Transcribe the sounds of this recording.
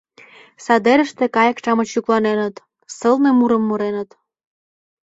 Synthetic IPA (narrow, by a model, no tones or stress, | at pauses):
sɑd̪eɾə̆ʃt̪ĕkɑjə̆kʃɑmət͡ɕuklɑnenə̆t̪ | sɤlnemuɾəmːuɾenə̆t̪